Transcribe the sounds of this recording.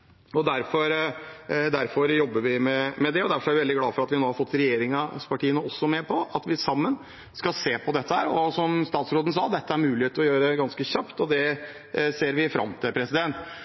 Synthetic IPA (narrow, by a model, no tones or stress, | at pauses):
ɔd̪æɾfɔɾ | d̪æɾfɔɾjɔbːəɾʋɪmɛmɛd̪ɛɔd̪æɾfɔɾæɾʋɪʋɛld̪ɪɡlɑːfɔɾɑt̪ʋɪhɑnoːhɑɾfɔt̪ːɾɛjeːɾɪŋɑspʰɑʈʰiːənəɔsːɔmɛpʰɔʔɑt̪ʋɪsɑmːən | skɑlseːpʰɔd̪ɛt̪ːəhæ̰ːɾɔsɔmst̪ɑːt̪sɾoːd̪n̩sɑːd̪ɛt̪ːəæɾmʉːlɪeːt̪əɔjøːɾəəɡɑnskəçɑpt̪ɔd̪ɛ | seːɾʋɪfɾɑ̰mt̪ʰɪpʰɾɛsɪd̪ɛnt̪